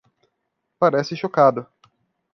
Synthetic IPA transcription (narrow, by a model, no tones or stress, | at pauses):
paɾɛsɪʃokad̪ʊ